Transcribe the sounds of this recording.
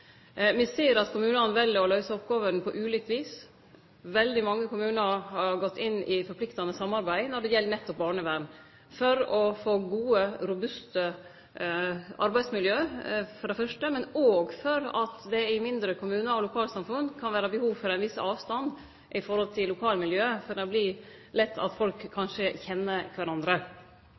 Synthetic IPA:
ʋɪseːɾɑt̪kʰʊmʉːnɑnʋɛlːəɾɔlœʏsəɔpɡɑːʋənpʰɔʔʉːlɪːk̚t̪ʋiːs | ʋɛld̪ɪmɑŋːəkʊmʉːnəɾhɑɾɡɔt̪ʰːɪnːɪfɔɾpʰlɪkt̪ɑnəsɑmːɑɾbæɪnɔɖɛjɛlːəɾnɛt̪ːɔp̚bɑːɳəʋæːɾɳ | fɔɾɔfoːɡuːəɾʊbʉst̪ə | ɑ̰ɾbæɪd̪smɪljøːfɔɖɛfœʂʈəmɛnoːɡfɔɾɑt̪d̪ɛɪmɪnd̪ɾəkʰʊmʉːnəɔlʊkʰɑːlsɑmfʉnkʰɑnʋæːɾəbəhuːʋfɔɾæɪnʋɪsɑːʋst̪ɑn | ʔɪfɔɾhɔlt̪ʰɪlːʊkʰɑːlmɪljøːfɔɾɖ̪ɛɔbli | lɛt̪ːɑ̰t̪fɔlkʰːɑnʂəçɛnːəkʰʋæɾɑnd̪ɾə

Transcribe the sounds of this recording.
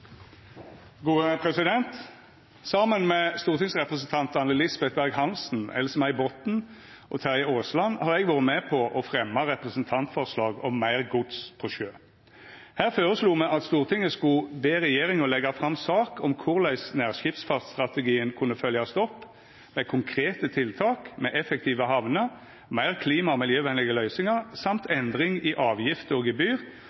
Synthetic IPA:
ɡuːəpʰʁɛsɪd̪ɛnt̪ | sɑmənmɛst̪uːʁt̪ʰɪŋsʁɛpʁəsn̩t̪ʰɑnt̪ɑnəlɪsbɛt̪̚bæʁɡhɑnsn̩ɛ̰lsmæɪbɔt̪n̩ | ʔɔ̰t̪ʰæʁjəoːslɑnːhɑːʁɛɡʋɑːʁəmɛpʰɔʔɔfʁɛmːɑʁɛpʁəsənt̪ʰɑnt̪fɔʁslɑːɡɔmːæɪʁɡʊd̪spʰɔʃøː | hæːʁføːɾəsluːmɛʔɑt̪st̪uːʁt̪ʰɪŋːəskʊbeːɾɛjeːɾɪŋɔlɛɡɑfʁɑmsɑːkɔmkʰʊʁlæɪsnæːʁʃɪpsfɑt̪st̪ʁɑt̪əɡiːənkʰʉnːəfœljɑst̪ɔpː | mɛkʰʊŋkʰʁeːt̪ət̪ʰɪlt̪ʰɑːkmɛʔɛfɛk̚t̪ʰiːʋəɦɑʋnə | mæɪʁkʰliːmɑɔmɪljøːʋɛnlɪɡəlœʏsɪŋɑʁsɑmt̪ʰɛnd̪ʁɪŋɪʔɑːʋjɪft̪əɔɡɪbyːʁ

